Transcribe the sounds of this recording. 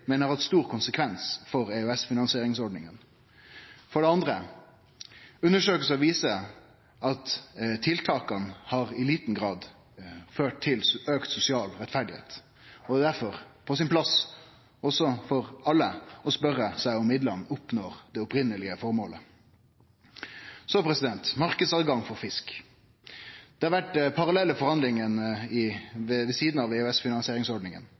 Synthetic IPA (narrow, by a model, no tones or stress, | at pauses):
mɛnəɾhɑt̪st̪uːɾkʊnsəkʰʋɛnsfɔʁeʉɛsfɪnɑnsɪeːɾɪŋsɔɖɳnɪŋən | fɔɖɛɑnd̪ʁə | ʉnːəʂøːkəsɔʋiːsə | ɑt̪t̪ʰɪlt̪ʰɑːkənhɑːʁɪliːt̪n̩ɡɾɑːd̪ | føːʈ̚t̪ʰɪløːkt̪sʊsɪɑːlɾɛt̪fæɖɪhḛːt̪ | ɔd̪ɛd̪æɾfɔʁpʰɔsɪnpʰlɑs | ɔsɔfɔʁɑlːəɔspœɾəsæɪɔmɪd̪lɑnːʊpnoːʁd̪̥ɛʊpɾɪnəlɪəfɔɾmoːlə̰ | soːpʰɾɛsɪd̪ɛnt̪mɑʁkəd̪sɑd̪ɡɑŋfɔɾfɪsk | d̪̥ɛhɑɾʋæʈpʰɑɾɑlɛlːəfɔʁhɑnd̪lɪŋənɪʋʋɛsiːd̪n̩ɑʋeːhʉɛsfɪnɑnsɪeːɾɪŋsɔɖnɪŋə̰n